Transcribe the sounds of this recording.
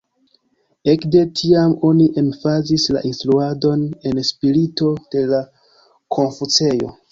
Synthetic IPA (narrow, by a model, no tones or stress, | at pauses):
e̞kde̞tʰiamo̞niʔe̞mfazisla̰ʔinstluado̞ne̞nspiɾito̞d̥e̞la | kʰo̞nfut͡se̞jo̞̰